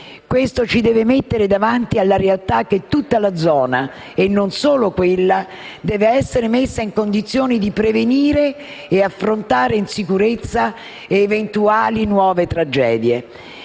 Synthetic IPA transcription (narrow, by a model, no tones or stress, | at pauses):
kwest̪ot͡ʃid̪ɛːvemet̪ːeɾed̪avant̪ialːaɾealt̪ak̟ːet̪ːut̪ːalad̪zɔːna | enːonsoːlokwelːa | d̪ɛːveɛsːeɾemesːaiŋkond̪it̪sːjoːnid̪ipɾeveniːɾeː | afːɾont̪aːɾeinsikuɾet̪sːaː | vent̪uaːlinwɔːvet̪ɾad͡ʒɛːd̪je